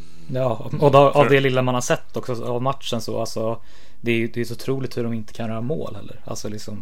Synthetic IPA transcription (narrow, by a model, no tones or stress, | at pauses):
jɑː | ɔdʔavd̪ɛlɪlːamanhaʂɛt̪ʰːɔksɔavmat̪ʂənsɔʔalsɔ | d̪ɛæjɵd̪ɛjsʊt̪ʰɾuːlɪk̚t̪hɵɖɔmɪnt̪ə̥kʰanjœːɾamo̰ːlhɛ̰lːə̰ɾa̰lsɔlɪksɔm